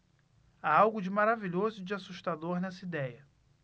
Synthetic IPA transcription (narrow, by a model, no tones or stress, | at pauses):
aawɡʊd͡ʒɪmaɾaviʎozʊd͡ʒɪasuʃt̪ad̪oɾnɛsɐid̪ɛjɐ